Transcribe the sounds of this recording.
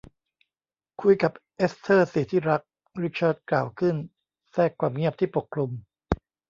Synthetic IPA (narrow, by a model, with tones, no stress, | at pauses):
kʰu˧jka˨˩p̚ʔe˦˥st̪ʰɤː˥˩si˨˩t̪ʰiː˥˩ɾa˦˥k̚ | ɾi˦˥t͡ɕʰaː˥˩t̪̚klaː˨˩wkʰɯ˥˩n | sɛː˥˩kʰːwaː˧mŋi˥˩əp̚t̪ʰiː˥˩po˨˩kʰɾu˧m